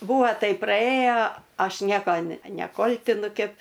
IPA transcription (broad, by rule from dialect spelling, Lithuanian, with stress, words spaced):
ˈbuːʋɐ ˈtɐɪp prɐˈeːjoː ˈɐʃ ˈnʲiɛkoː nʲɛ nʲɛˈkoːlʲtʲɪnʊ ˈkʲɛp